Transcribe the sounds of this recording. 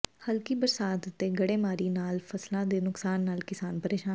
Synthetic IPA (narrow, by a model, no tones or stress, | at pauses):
həlkiːbəɾsaːt̪t̪eːɡəɽeːmaːɾiːnaːlfʰəslãːd̪eːnʊksaːnːaːlkɪsaːnpəɾeːʃaː